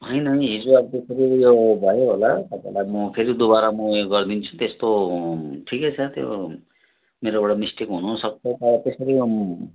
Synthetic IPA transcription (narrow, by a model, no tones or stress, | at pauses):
ɦʌjnʌĩɦid͡zuʌbt̪esʌɾijobʱʌjoɦolasʌpḛlajmʌpʰeɾid̪ubaɾamʌɡʌrd̪int͡sʰu̥t̪est̪o | ʈʰikʌt͡sʰʌt̪jo̰ | meɾobʌɽʌmisʈikɦunusʌk̚t͡sʰʌt̪ʌt̪esʌɾi